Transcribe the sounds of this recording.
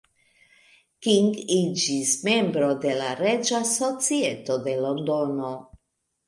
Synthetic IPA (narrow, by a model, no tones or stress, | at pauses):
kiŋɡid͡ʒisme̞mbɾo̞de̞laɾe̞d͡ʒaso̞t͡sie̞to̞de̞lo̞ndono̞